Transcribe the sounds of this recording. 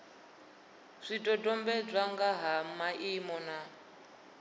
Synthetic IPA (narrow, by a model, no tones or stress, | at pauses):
ʂitʼɔdʼɔmbɛd͡zʷaŋɡaɦamaʔimɔna